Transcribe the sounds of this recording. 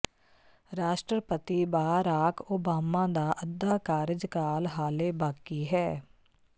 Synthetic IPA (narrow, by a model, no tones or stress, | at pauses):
ɾaːʃʈɾəpət̪iːbaːɾaːkoːbaːmãːd̪aːʔəd̪ːaːkaːɾɪd͡ʒkaːlɦaːleːbaːkiːɦɛː